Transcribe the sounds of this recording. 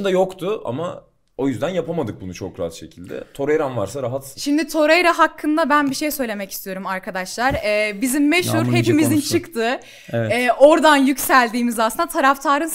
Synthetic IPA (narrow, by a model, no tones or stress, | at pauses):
nd̪ajokt̪ʰʊʔa̰ma̰ | o̞jyzd̪ænjapamad̪ɯk̚bunut͡ʃʰo̰kɾaɦa̰t̪ʃe̞cʰilʲd̪ɛ̰t̪ʰo̞ɾajɾanvaɾsaɾaɦat̪ʃimd̪it̪ʰo̞ɾajɾaɦakʰːɯnd̪abænbiʃe̞jsø̞jlʲe̞mɛcist̪ʰijo̞ɾumaɾkʰad̪aʃlˠaɾɛːbizimːeʃhuɾhe̞pimizint͡ʃʰɯkt̪ʰɯ | ɛɛːʔo̞ɾd̪anjycsælʲd̪iːmizasɯnat̪ʰaɾaft̪ʰaːɾɯn